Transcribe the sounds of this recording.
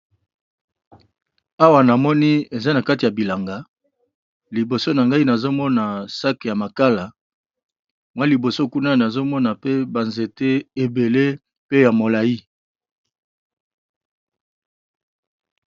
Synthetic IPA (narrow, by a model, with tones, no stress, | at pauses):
a˦wa˨na˨mɔ˦ni˦e˨za˦na˨ka˦ti˨a˨bi˨la˨ŋɡa˨˦ | li˨bo˨so˦na˨ŋɡa˦i˦na˨zo˦mɔ˦na˨sa˦ke˨ja˨ma˨ka˦la˨ | mwa˦li˨bo˨so˦ku˦na˦na˨zo˦mɔ˦na˨pe˦ba˨nze˨te˦e˨be˨le˦ | pe˦ja˨mo˨la˨ji˦